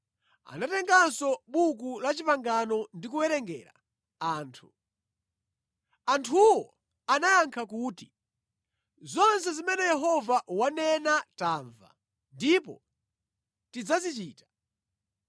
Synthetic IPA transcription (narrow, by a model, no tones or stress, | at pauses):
a̰natɛŋɡansɔɓukulat͡ʃipaŋɡanɔndikuwɛɾɛŋɡɛ̰ːɾa̰ | aːntʰu̥ | antʰuwɔ | anajaŋkʰakuːti | zɔnsɛzimɛnɛjɛɦɔvawanɛnataːɱva̰ | ndipɔ̰ | tid͡zazit͡ʃiːtḁ